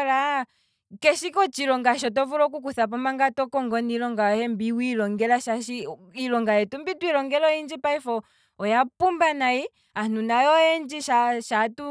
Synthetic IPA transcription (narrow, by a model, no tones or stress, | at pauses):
ɾa | kɛʃikɔt͡ʃilɔŋɡaʃ̬ɔtɔvuɾɔk̬uk̬uθap̬ɔmaŋɡatɔkɔŋɡɔnilɔŋɡaɔhɛmbiwilɔŋɡɛlaʃaʃi | ilɔŋɡajɛtumbitwiɾɔŋɡɛlɔind͡ʒipaifɔː | japumbanai | anunajɔɛnd͡ʒiʃaʃatu